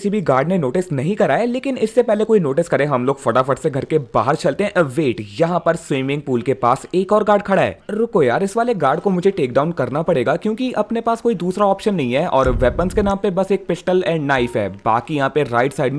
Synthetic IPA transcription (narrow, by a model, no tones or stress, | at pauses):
ɪsibʱiɡaːɾɖnenoːʈɪsnɐɦĩkɐɾaːeleːkɪnɪsːepɛɦlekoːinoːʈɪskɐɾẽɦɐmloːɡfɐʈafɐʈseɡʱɐɾkeba̰ːɦəɾt͡ʃɐlt̪eɦɛ̃ʋeːʈjɐɦãpɐɾswɪ̃ːmɪ̃ŋɡ̚puːlkepaːseːkɔːɾɡaːɾɖkʰɐɽaɦɛ̰ːɾʊkojaːɾɪsʋaːleɡaːɾɖkomʊd͡ʒʱeʈeːkɖaːʊ̃nkɐɾnapɐɽeːɡakjõːkiʔɐpnepaːskoːid̪uːsɾaɔːpʃənːɐɦĩɦɛʔɔːɾʋɛːpənskenãːmpebɐseːk̚pɪʃʈəlɛ̃ːɳɖnaːɪfɦɛ̰ːba̰ːkijɐɦãpeɾa̰ːɪɖsaːɪɖ